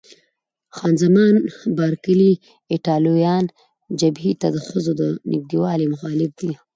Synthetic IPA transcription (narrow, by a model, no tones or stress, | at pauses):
xɑnzamɑnbɑɾkəli | ɪʈɑlojɑn | d͡ʒabhit̪ad̪əxəzod̪ənʔɪ̰k̚d̪iwɑlemʊxɑlɪb̚d̪i